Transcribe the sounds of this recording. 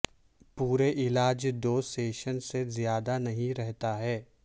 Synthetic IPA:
puːɾeʔɪlaːd͡ʒd̪oːseːʃənsezjaːd̪anɐɦĩɾɛɦt̪aɦɛː

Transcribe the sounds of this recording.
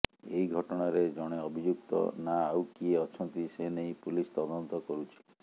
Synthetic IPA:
ejɡʱɔʈɔɽ̃aɾed͡ʒɔɽ̃eɔbʱid͡ʒuk̚t̪ɔ̰naːwkieɔt͡ʃʰɔnt̪isenejpulist̪ɔd̪ɔnt̪ɔkɔɾut͡ʃʰi̥

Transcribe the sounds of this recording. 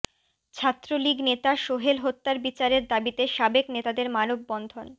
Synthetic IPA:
t͡ɕʰat̪ːɾoliɡnet̪aʃoɦelɦot̪ːaɾbit͡ɕaɾeɾd̪abit̪eʃabeknet̪ad̪eɾmanob̚bɔnd̪ʱon

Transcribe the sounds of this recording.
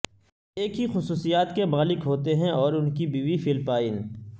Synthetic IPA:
eːkɦixʊsuːsijaːt̪kemaːlɪkɦoːt̪eɦɛ̃ɔːɾʊnkibʱiːʋifɪlpaːɪn

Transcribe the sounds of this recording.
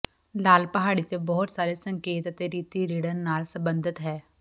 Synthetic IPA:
laːlpəɦaːɽit̪ebɔːʊt̪saːɾesə̃ŋkeːt̪ɐt̪eɾiːt̪iɾiːɽəɾnaːlsɐ̃mbə̃nd̪ʱɪt̪ɦɛː

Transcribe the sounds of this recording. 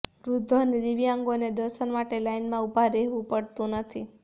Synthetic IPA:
ɾud̪ʱːonid̪iʋjãŋɡoned̪əɾʃənmaʈelainmãubʱaɾeɦʋũpəɽt̪ũnət̪ʰi

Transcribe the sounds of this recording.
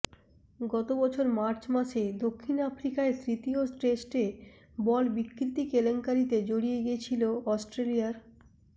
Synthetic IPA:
ɡɔt̪obɔt͡ɕʰoɾmaɾt͡ɕmaʃed̪okʰːinafɾikaet̪ɾit̪iosʈesʈe | bɔlbikːɾit̪ikeleŋkaɾit̪ed͡ʑoɽieɡiet͡ɕʰiloɔsʈɾeliaɾ

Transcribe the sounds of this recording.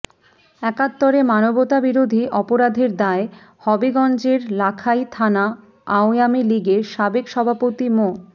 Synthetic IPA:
ɛkat̪ːoɾemanobot̪abiɾod̪ʱiʔɔpoɾad̪ʱeɾd̪ae | hɔbiɡɔnd͡ʑeɾlakʰajt̪ʰana | aojamiliɡeʃabekʃɔbʱapot̪imo

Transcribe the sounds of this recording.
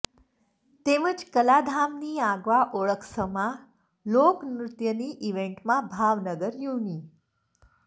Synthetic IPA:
t̪eməd͡ʒkəlad̪ʱamniːaɡʋaʔoɭəkʰsəmã | lokmɾut̪jəniːʔiʋeɳʈmãbʱaʋnəɡəɾjuniː

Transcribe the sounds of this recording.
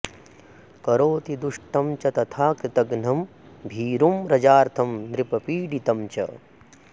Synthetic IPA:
kɐɾoːt̪id̪uʂʈɐmt͡ʃɐt̪ɐt̪ʰaːkɾɪt̪ɐɡn̤ɐm | bʱiːɾumɾɐd͡ʒaːɾt̪ʰɐmd̪ɾipɐpiːɖit̪ɐmt͡ʃɐ̰

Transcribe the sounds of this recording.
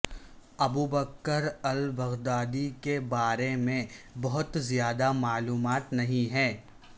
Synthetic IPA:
ɐbuːbəkːəɾɐlbɐɣd̪aːd̪ikebaːɾemẽbɐɦʊt̪zjaːd̪amaːluːmaːt̪nɐɦĩɦɛ̃ː

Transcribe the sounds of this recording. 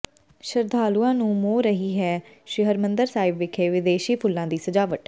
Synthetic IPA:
ʃəɾd̪ʱaːluːãːnũːmoːɾəɦiːɦɛːʃɪɦəɾmənd̪əɾsaːɪbʋɪkʰeːʋɪd̪eːʃiːpʰʊlːãːd̪iːsəd͡ʒaːʋəʈ

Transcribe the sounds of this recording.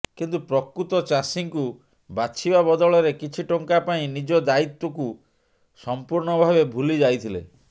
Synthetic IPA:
kint̪upɾɔkɾut̪ɔt͡ʃasiŋku | bat͡ʃʰibabɔd̪ɔɭɔɾekit͡ʃʰiʈɔŋkapaĩnid͡ʒɔd̪ait̪wɔku | sɔmpuɾɳɔbʱabebʱulid͡ʒajt̪ʰilḛ

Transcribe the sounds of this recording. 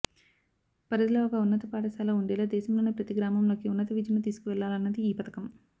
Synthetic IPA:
pɐɾɐd̪ilɐokɐunːɐt̪ɐpaːɖɐsaːlɐːuɳɖɛːlaːd̪ɛːʃɐmlo̞ːnipɾɐt̪iɡɾaːmɐmlo̞ːkiunːɐt̪ɐʋid͡ʒɐnut̪iːsu̥kuʋɛɭːaːlɐnːɐd̪iːpɐt̪ɐ̥kɐm

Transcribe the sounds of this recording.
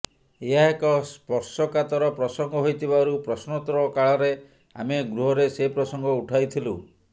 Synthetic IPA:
eɦaɦekɔspɔɾsɔkat̪ɔɾɔpɾɔsɔŋɡɔɦojt̪ʰibaɾupɾɔsnɔt̪ɾɔkaɭɔɾe | a̰meɡɾuɦɔɾesepɾɔsɔŋɡɔuʈʰajt̪ʰilu

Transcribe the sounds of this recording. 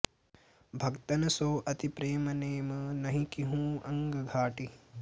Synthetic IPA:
bʱɐkt̪ɐnɐsoːʔɐt̪ipɾeːmɐneːmɐnɐɦĩkiɦũːɐŋɡɐɡʱaːʈi

